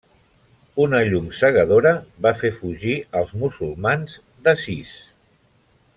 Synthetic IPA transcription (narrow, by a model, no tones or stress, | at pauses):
unəʎumsəɣ̞əð̞oɾəβafefuʒiəlˠzmusulˠmanz | d̪əsis